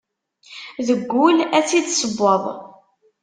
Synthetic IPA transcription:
ðəɡʷːʊlæt͡sːid̪səbːəðˤ

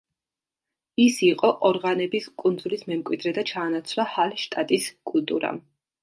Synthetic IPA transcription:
isiqʼɔʔɔɾʁanɛbiskʼund̪zulismɛmkʼwid̪ɾɛd̪at͡ʃʰaːnat̪sʰlahalʃt̪ʼat̪ʼiskʼult̪ʼṵɾa̰

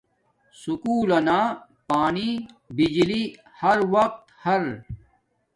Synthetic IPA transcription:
sukuːlɐnaːpaːni | bid͡ʑli | hɐɾwɐq̚t̪hɐɾ

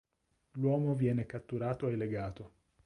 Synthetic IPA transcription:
lwɔːmovjɛːnekat̪ːuɾaːt̪oelːeɡaːt̪o

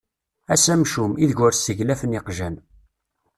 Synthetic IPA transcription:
æsæmʃumiðʝʊɾsəʝlæfənɪqʒæn

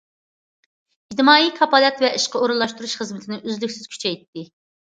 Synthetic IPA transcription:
ɡʲd̪ɨmɑːikʰɑpɑlˠɛt̪vɛʔiʃqəoɾulˠːɑʃt̪uɾuʃχəzmɪt̪ʰɪnɪʔøzlykʲsɪz̥kʲʰy̥t͡ʃʰɛjt̪ːɪ

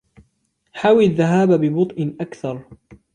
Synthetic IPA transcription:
ħaːwɪlðːaɦaːbabɪbʊt̪ˤʔɪʔakθɑɾˤ

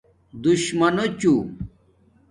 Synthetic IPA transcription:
d̪uɕmɐnot͡ɕu

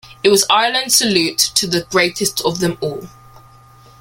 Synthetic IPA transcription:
ɪʔ̚wɒzaɪələ̃nd̥səlʉˑtʰəðəɡɹeɪtʰɪstʰəvðə̃mɔːlˠ

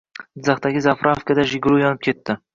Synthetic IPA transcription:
d̪ɪzaχt̪aɡʲɪzafɾʔafkad̪aʒɪɡʲlˠujɒnɪp̚kʲʰe̞t̪ːɪ

